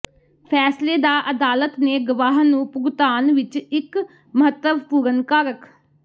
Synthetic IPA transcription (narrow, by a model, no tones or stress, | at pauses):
pʰɛːsleːd̪aːʔəd̪aːlət̪neːɡʊʋaːɦnũːpʊɡt̪aːnʋɪt͡ʃɪk | məɦət̪ːəʋpuːɾənkaːɾək